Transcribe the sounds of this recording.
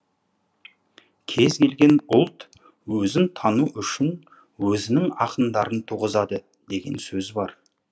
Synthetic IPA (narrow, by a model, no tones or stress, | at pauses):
kʲʰe̞zkʲe̞lɡʲe̞nʊlˠt̪ | wɵzɪnt̪ʰɑnuʔʏʃɪn | wɵzɪnɪŋɑqənd̪ɑɾənt̪ʰuʁəzɑd̪ə | d̪e̞ɡʲe̞̰nsɵzbɑɾ